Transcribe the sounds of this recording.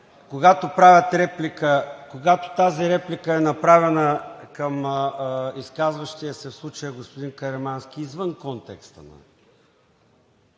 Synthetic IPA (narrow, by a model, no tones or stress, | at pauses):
koɡat̪opɾavʲɐt̪ɾɛplikəkoɡat̪o̥t̪aziɾɛplikəɛnɐpɾavɛnəkɐm | iskazvɐʃt̪iəsɛfslˠut͡ʃəjəɡospod̪inkɐɾɛmansk̟iːzvənkɔnt̪ɛkst̪ə̰nɐ̰